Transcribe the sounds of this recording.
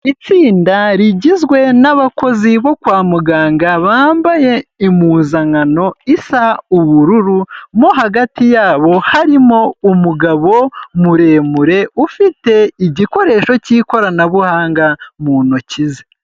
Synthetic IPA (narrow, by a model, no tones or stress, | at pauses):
it͡siːndaɾiɟizɡwe̞naβako̞ziβo̞kwaːmuɡaːŋɡaβaːmbaje̞imuːnzaŋano̞isauβuɾuɾumoɦaɡatijaːβo̞haɾimo̞umuɡaβo̞muɾe̞ːmuɾe̞ufite̞iɟiko̞ɾe̞ːʃo̞ciːko̞ɾanaβuhaːŋɡamuːnocize